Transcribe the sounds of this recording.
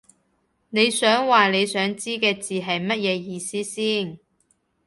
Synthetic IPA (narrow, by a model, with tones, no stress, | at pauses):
ne˨˧jsœː˨˥ŋwaː˨le˨˧jsœː˨˥ŋt͡siː˥kɛː˧t͡siː˨ɦɐ˨jmɐ˥t̚jɛː˨˧jiː˨˧siː˥siː˥˩n